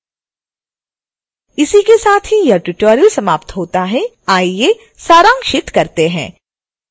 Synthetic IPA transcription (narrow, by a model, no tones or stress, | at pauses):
ɪsikesaːt̪ʰɦijɐʈʊʈɔːɾjəlsɐmaːpt̪ɦoːt̪aɦɛ | aːie | saːɾãːŋkʃɪt̪kɐɾt̪eɦɛ̃ː